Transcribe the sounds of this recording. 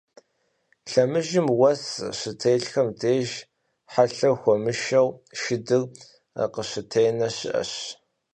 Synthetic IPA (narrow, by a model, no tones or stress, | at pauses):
ɬɐmɨʒɪmwɐsʃɪtʰeːɬxɐmdeːʒ | ħaɬɐxʷɔmɨʃɐwʃɪdɨr | a̰qəɕɪtʰejnɐɕɪ̰ʔɐ̰ɕ